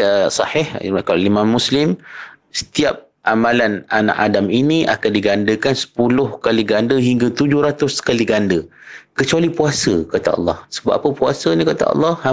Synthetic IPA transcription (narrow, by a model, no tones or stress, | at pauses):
sɑhɪhkalimãmːuslɪm | sə̥t̪iap̚ | ʔamãlanana̰ʔadaminĩʔa̰kandiɡandəkansə̥pulʊhkaliɡandəɦiŋɡat̪ud͡ʒʊhɾat̪ʊskaliɡandəkət͡ʃualipuasəkat̪a̰ɑ̰lːɑhsəba̰ʔapəpuasənĩkat̪a̰ʔɑ̰lːɑha